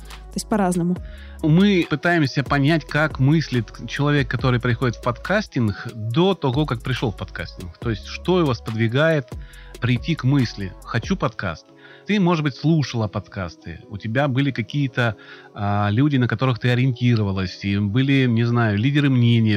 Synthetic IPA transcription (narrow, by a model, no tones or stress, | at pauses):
t̪oɪsʲt̚ʲpɐɾaznəmʊ | mɨpɨt̪ajɪmsʲəpɐnʲætʲkakmɨsʲlʲɪt̪t͡ɕɪlˠɐvʲekːɐt̪o̞ɾɨjpɾʲɪxo̞dʲɪt̪fpɐt̪kʰasʲtʲɪnɡd̪o̞t̪ɐɣo̞kak̚pɾʲɪʂlˠofpɐt̪ka̰sʲtʲɪnkt̪o̞ɪsʲtʲʂt̪o̞ʊvaspəd̪vʲɪɡajɪt̪pɾʲɪjtʲːikmɨsʲlʲɪxɐt͡ɕupɐt̪ka̰st̪ | t̪ɨmo̞ʐɨd̪bɨtʲslˠuʂəlˠəpɐt̪ka̰st̪ɨ̰ʊtʲɪbʲabɨlʲɪkɐkʲijət̪ə | alʲudʲɪnəkɐt̪o̞ɾɨxt̪ɨɐɾʲɪɪnʲtʲiɾəvəlˠəsʲibɨlʲɪnʲɪznajʊlʲidʲɪɾɨmnʲenʲɪjə